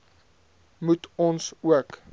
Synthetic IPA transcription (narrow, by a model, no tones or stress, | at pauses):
mutʰɔnsuək